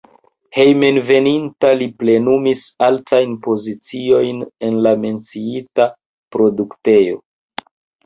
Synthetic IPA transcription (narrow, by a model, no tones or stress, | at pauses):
he̞jme̞nve̞nintaliple̞numisaltʰajnpo̞zit͡sio̞jne̞nlame̞nt͡siita | pɾo̞dukte̞jo̞̰